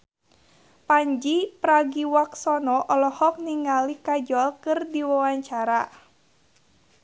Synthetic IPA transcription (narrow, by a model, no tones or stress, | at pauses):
paɲd͡ʒipɾaɡiwaksɔnɔʔɔlɔhɔk̚niŋalikad͡ʒɔlkɨrdiwawaɲt͡ʃaɾa